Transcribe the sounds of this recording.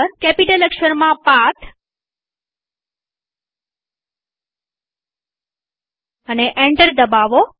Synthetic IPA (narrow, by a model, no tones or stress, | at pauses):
əɾkɛpiʈələkʃəɾmãpat̪ʰ | əneʔɛɳɖəɾd̪əbaʋo